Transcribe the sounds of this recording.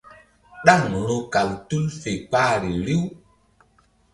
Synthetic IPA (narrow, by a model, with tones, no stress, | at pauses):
ɗa˦˨ŋ˨lo˦ka˨ltu˦lfe˨k͡paː˦˨ɾi˨li˦w